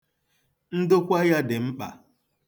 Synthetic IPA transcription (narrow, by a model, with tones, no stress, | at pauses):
n̩˦dʊ˦kʷa˦ja˦dɪ˨m̩˦k͡pa̰˨